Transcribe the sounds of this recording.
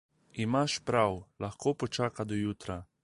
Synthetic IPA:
imaʃpɾawlaxkoːpɔt͡ʃaːkad̪ɔjuːt̪ɾa

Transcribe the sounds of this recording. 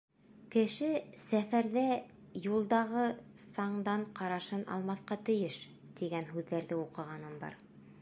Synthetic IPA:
kɘ̆ʃɘsæfæɾðæ | julˠd̪ɑʁɤsɑɴd̪ɑɴqɑɾɑʃɤnɑ̰lˠmɑθqɑt̪ɵ̆jɘʃ | t̪iɡænɦʉðːæɾðɘuqɤ̆ʁɑnɤnbɑ̰ɾ

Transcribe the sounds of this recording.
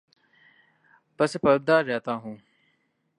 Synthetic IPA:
pɐspɐɾb̚d̪aːɾːɛːt̪ãːɦũː

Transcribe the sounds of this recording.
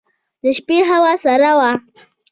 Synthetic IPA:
d̪əʃpeɦawasaɾawa

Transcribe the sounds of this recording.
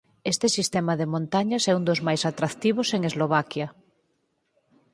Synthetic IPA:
est̪esist̪emaðemõnt̪aɲasɛund̪ozmajsat̪ɾakt̪iβ̞oseŋezloβ̞akja

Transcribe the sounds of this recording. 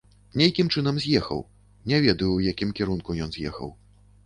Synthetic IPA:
nʲɛjkʲimt͡ʂɨn̪ɐmzʲjɛxɐ̰w | nʲɛvʲɛd̪ɐjuːjakʲimkʲiɾunkujɔnzʲjɛ̰xɐ̰w

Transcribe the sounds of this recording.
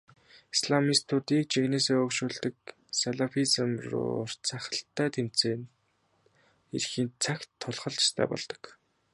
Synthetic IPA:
isɮamist̪ʰʊt̪iːk̚t͡ɕiɣneːseːɵkʃuːɮt̪ə̆k̚ | saɮafisəmrʊ̰ːr̥t͡sʰaχə̆ɬt̪ːæːt̪ʰem̥t͡seːn | ḛrxiːnt͡sʰakt̪ʰːʊɮχɞ̆ɮt͡ɕɪ̥st̪ʰæ̰ːpɔ̰ɮt̪ɞ̥̆k

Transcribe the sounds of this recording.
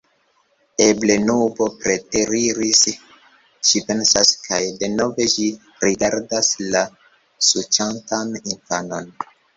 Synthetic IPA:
e̞ble̞nubo̞pɾe̞teɾiɾis | ʃipe̞nsaskʰajde̞no̞ve̞ʃi | ɾiɡaɾdasla | sut͡ʃantaninfano̞n

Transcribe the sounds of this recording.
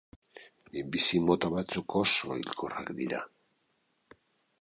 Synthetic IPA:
ibisimo̞t̪aβat͡sukʰo̞soḭlkʰora̰kd̪ḭɾa̰

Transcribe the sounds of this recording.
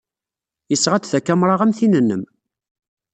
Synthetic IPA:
jəsːʁæt͡s̪θækːæmɾˤɑʁæmθinənːəm

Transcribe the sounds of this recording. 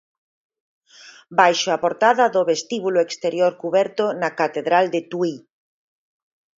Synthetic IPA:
bajʃoapoɾt̪aðɐðoβest̪iβuloekst̪eɾjoɾkuβɛɾt̪onakat̪eðɾald̪et̪wui

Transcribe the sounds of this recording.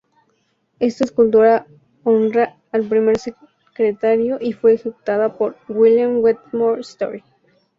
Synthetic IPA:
e̞st̪aeskult̪uɾa | onraː | lpɾime̞ɾse | kɾet̪aɾjo̞ʔifwe̞ːxeku̥t̪aðapoɾɡwiljamwet̪moɾst̪oɾi

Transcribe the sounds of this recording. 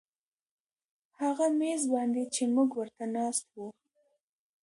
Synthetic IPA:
haɣamezbɑnd̪et͡ʃemuɡwəɾt̪anɑst̪̚wu

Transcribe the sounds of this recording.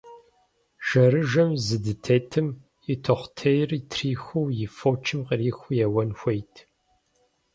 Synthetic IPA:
ʒ̥ɐɾɨʒɐmzɨdɨtʰeːtʰɨm | ɪtʰoχʷtʰejrtʰriːxʷuwjɪfoːt͡ʃʰɨmqəriːxʷʊjɛwɐnxʷejtʰ

